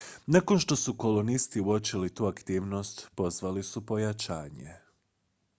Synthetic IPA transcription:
nako̞nʃt̪o̞suko̞lonist̪iuot͡ʃilit̪uːakt̪iːʋno̞st̪po̞zʋalisupo̞jat͡ʃaːɲḛ

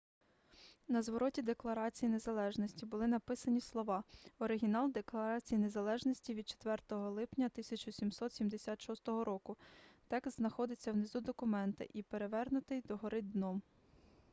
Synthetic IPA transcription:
nɐzʋɔɾɔtʲid̪e̞klˠɐɾɑt͡sʲijine̞zɐlˠɛʒnɔsʲtʲibʊlˠɪnɐpɪsɐnʲislˠɔʋɑɔɾɪɦʲinɑlˠd̪eklˠɐɾɑt͡sʲijine̞zɐlˠɛʒnɔsʲtʲiʋʲid̪̚t͡ʃe̥t̪ʋɛrt̪ɔɦɔlˠɪpnʲɐt̪ɪsʲɐt͡ʃɔsʲimsɔt̪sʲimd̪esʲat̪ʃɔst̪ɔɦɔɾʔɔkʊt̪ɛkst̪znɐxɔd̪ɪt͡sʲːɐwnɪzud̪ɔkʊmɛnt̪ɪ̰ʔipeɾe̞ʋɛrnʊt̪ɪjd̪ɔɦɔɾɪd̪nɔm

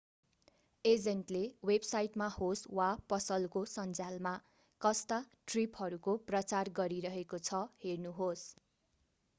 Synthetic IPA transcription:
ed͡zenʈlewebsajʈmahoswapʌsʌlkosʌnd͡zalma | kʌst̪aʈripɦʌɾukoprʌt͡sarɡʌɾiɾʌɦekot͡sʰʌhernuɦos

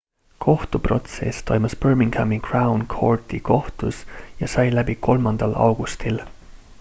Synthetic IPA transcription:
kʰo̞ht̪upro̞t̪se̞̰st̪o̞jmuspørmiŋɡ̥æmːikrɑwnkʰo̞̰rt̪iko̞ht̪usjɑsɑjlæbiko̞lmɑnd̪̥ɑlɑ̰wɡ̥ust̪il

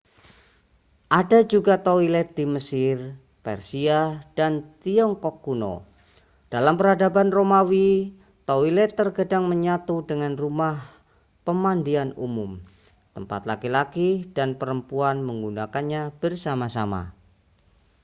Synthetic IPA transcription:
ʔadad͡ʒuɡat̪oilɛt̪̚diməsɪr | pɛ̰rsiad̥ant̪iɔŋkɔkːuno̰ | d̥alampəɾadabanromawi | t̪oilɛt̪ːərɡədaŋməɲat̪udəŋanrumah | pəmandianṵmʊm | t̪əmpa̰t̪la̰kilakidanpəɾəmpuanməŋɡunakanɲab̥ərsamasama̰

